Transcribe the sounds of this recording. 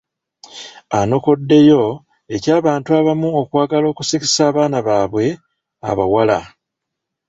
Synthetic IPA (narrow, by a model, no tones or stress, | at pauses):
ano̞ko̞dːe̞jo̞ | e̞caːβaːntuaβamuo̞kwaːɡalo̞ːkusiki̥saːβaːnaβaːβwe̞ | a̰βa̰wala̰